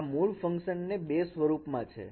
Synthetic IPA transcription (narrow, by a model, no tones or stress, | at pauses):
muɭfə̃ŋkʃənːebesʋəɾupmãt͡ʃʰḛ